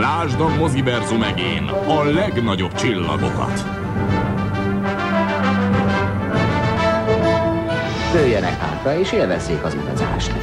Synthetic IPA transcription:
laːʒd̪ɒɡmo̞zibɛrzumɛɡeːn | ɒlɛɡnɒɟo̞bt͡ʃilːɒ̰ɡo̞̰kɒ̰t̪ | d̪øːjːɛnɛ̰kha̰ːt̪rɒeːʃeːlvɛzːeːkɒzṵd̪ɒ̰za̰ːʃt̪

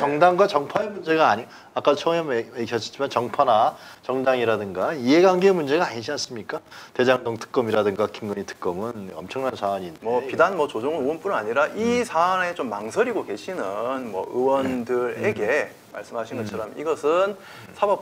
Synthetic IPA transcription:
t͡ɕʌŋdaŋɡwat͡ɕʌŋpʰaemund͡ʑe̞ɡaːɲi | ak͈adot͡ɕʰʌŋʌmeiɕʰʌd͡ʑʰi̥d͡ʑ͈ʰimant͡ɕʌŋpʰanat͡ɕʌŋdaŋiɾadɯŋɡaie̞ɡaŋɡeːmund͡ʑe̞ɡaaɲiɕʰians͈ɯmɲik͈ate̞d͡ʑaŋdoŋtʰɯ̥k͈ʌmiɾadɯŋɡakiŋɡʌɲitʰɯ̥k͈ʌmɯnʌmt͡ɕʰʌŋnansʰaːɲiːndmeʌpidanmʌt͡ɕod͡ʑoŋɯnoɯnp͈unaɲiɾaʔisʰaŋe̞t͡ɕomːaŋsʰʌɾiɡokeɕʰinɯnmwʌ̰ɯwʌndɯɾeɡe̞ | ma̰ɭs͈ɯmɦaɕʰinɡʌt͡ɕʰʌɾʌmiɡʌsʰɯn | sʰabʌp̚

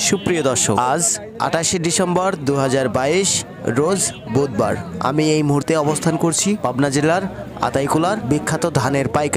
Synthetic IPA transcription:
ʃupɾijod̪ɔɾʃoad͡ʑ | a̰ʈaʃeɖisembɔɾd̪uɦad͡ʑaɾbaiʃ | ɾod͡ʑ | bod̪̚ba̰ɾa̰miejmuɦuɾt̪eɔbost̪ʰankoɾt͡ɕʰipabnad͡ʑelaɾ | a̰t̪ajkulaɾbikʰːat̪od̪ʱaneɾpajka

